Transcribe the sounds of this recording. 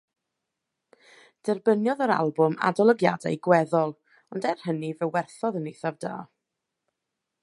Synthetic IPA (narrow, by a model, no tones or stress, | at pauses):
d̥ɛrbənjɔðəɾa̰lˠbʊma̰dɔlˠəɡja̰da̰jɡwɛðɔlˠ | ɔndɛrhənivɛwɛrθɔðənejθavda̰ː